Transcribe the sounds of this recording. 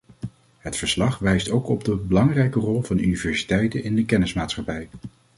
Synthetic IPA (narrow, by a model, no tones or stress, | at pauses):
ɦətfəɹslɑχʋɛjstowkɔbdəbəlɑŋrɛjkərɔlˠvɑndynivɛɹsi̥tɛjtənɪndəkɛnɪsmaːtsχɑpɛj